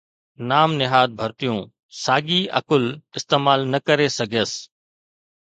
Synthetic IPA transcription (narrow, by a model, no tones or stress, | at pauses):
naːmnɪɦaːd̪̚bʱəɾt̪ɪjũː | saːɠiːɐ̰kʊlɪst̪eːmaːlnəkəɾesɐɡʱəs